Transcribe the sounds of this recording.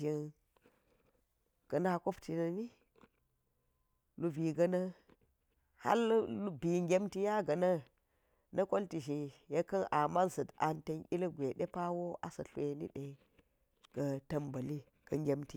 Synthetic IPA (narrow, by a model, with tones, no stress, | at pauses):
i˨n | ɡ̥ɐ˨na˦ko˦pti˨nɐ˨ni˦ | lu˨bi˨ɡɐ˦nɐ˦ | ha̰˦llu˦bi˨ŋɡʲe˦mti˦ja˦ɡɐ˨nɐ˦ | nɐ˦ko˦lti˨ʒi˨je˦kɐ˦na˨ma˦nsɐ˨da˨nte˦nʔḭ˦lɐ˦ɡʷe˨ɗe˦pa˦wo˦a˨sɐ˨ɬʷe˨nḭ˦ɗe˨ | ɡ̥ɐ˨tɐ˨mbɐ˨li˦ | ɡ̥ɐ˨ŋɡʲe˦mti˨